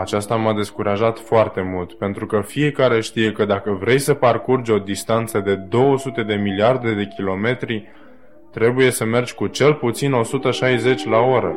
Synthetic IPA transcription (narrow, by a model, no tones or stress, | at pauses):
at͡ʃast̪amad̪e̞skuɾaʒat̪foart̪e̞mult̪pe̞nt̪ɾukəfie̞kaɾe̞ʃt̪ije̞kəd̪akəvɾe̞jsəparkurd͡ʒʲo̞d̪ist̪ant̪səd̪e̞d̪o̞wəsut̪e̞d̪e̞miliard̪e̞d̪e̞kʲilo̞me̞t̪ɾi | t̪ɾe̞buje̞səme̞rd͡ʒʲkut͡ʃe̞lput̪sino̞sut̪əʃajze̞t͡ʃʲlao̞ɾə